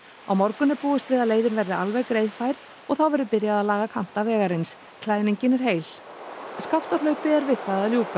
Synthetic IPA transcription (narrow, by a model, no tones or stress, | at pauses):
awmɔɾkʏnːɪpuːɪst̪vɪðaðleːjðɪnvɛɾðɪa̰lvɛɣkɾeːjðfaːjɾ̥ | ɔɣθawvɛɾðʏpɪɾjaðaðlaːɣakʰam̥t̪avɛːɣaɾɪns | kʰlaːjniɲcɪnɛɾ̥ɦeːjl̥ | skaft̪alœɥpɪɛɾvɪðθaðaðljuːka